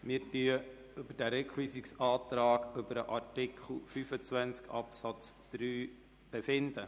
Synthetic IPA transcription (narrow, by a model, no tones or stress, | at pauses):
mɪːɾtyə | ʏbəd̥æɾɛkʰχwisiksɑːt̪ɾɑːɡʏbəɾəʔɑɾtɪkʰχl̩fyfət͡sʋænt͡skʰɑpsɑt͡sd̪̥ɾyː | b̥efɪnd̪ə